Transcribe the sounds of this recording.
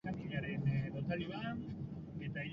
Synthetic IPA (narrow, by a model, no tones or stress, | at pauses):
anɡiɣaɾenðot̪aliβa | et̪aiʎ